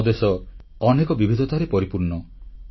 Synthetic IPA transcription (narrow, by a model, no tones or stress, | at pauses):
d̪esɔ | ɔnekɔbibʱid̪ʱɔt̪aɾepɔɾipuɾnɔ